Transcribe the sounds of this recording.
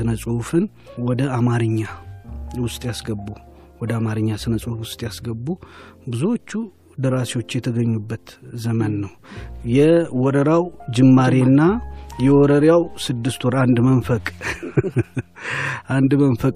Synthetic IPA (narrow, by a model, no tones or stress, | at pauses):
ɨnəsʼufɨn | wɔd̪əamaɾɨɲːawʊst̪ʼjasɡəbːu | wɔd̪əamaɾɨɲːasɨnəsʼufwʊst̪ʼjasɡəbːubɨzuwot͡ʃːu | d̪əɾasiwo̞t͡ʃːjɛt̪ʰəɡəɲːubːət̪zəmənːəwjɛwɔɾəɾawd͡ʒɨmːaɾenːajɛwɔɾəɾjawsɨd̪ːɨst̪ʰoɾand̪mənfəkʼ | ʔand̪mənfəkʼ